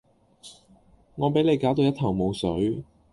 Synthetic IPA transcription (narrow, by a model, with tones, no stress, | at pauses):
ŋɔː˨˧pe˨˥le˨˧jkaː˨˥wt̪o˧wjɐ˥t̪ʰɐ˨˩wmo˨˧wsɵ˨˥ɥ